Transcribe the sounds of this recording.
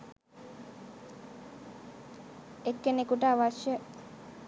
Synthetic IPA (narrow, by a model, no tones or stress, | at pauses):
ekːenekuʈəːʋaʃjə